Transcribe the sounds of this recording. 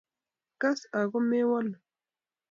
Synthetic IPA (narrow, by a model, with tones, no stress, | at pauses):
ka˦sa˨ɣo˦me˦wa˦l